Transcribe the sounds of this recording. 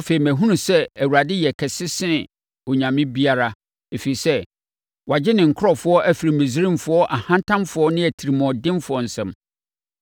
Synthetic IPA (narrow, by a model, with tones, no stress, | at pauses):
a˦fe˨i˨mæ̃˨ɦũ˦nũ˨sɛ˦æ˨wu˨ɾa˨dɪ˦jɛ˨kʰɛ˨sɪ˦sɪ̃˦˨ | o˨ɲã˨mɪ̃˦bi˦a˦ɾa˦ | e˨fi˨i˨sɛ˦ | wa˨d͡ʑɪ˦nɪ̃˨ŋ̩˨kʰʊ˦ɾɔ˨fʊ˨˦ɔ˦ʔæ˦fi˨ɾi˨mɪ̃˨zi˦ɾĩ˦mfʊ˦ɔ˦ʔa˨hã˦ntʰã˦mfʊ˨˦ɔ˦nɪ̃˦æ˨tʰi˨ɾi˨mɔ̃˨ɔ˨dɪ̃˦mfʊ˨ɔ˨n̩˨sɛ̃˨m